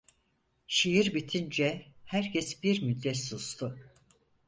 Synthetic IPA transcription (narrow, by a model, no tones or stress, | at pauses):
ʃijiɾbit̪ʰind͡ʒɛhæɾcʰɛsbiɾmyd̪ːɛt̪sust̪ʰʊ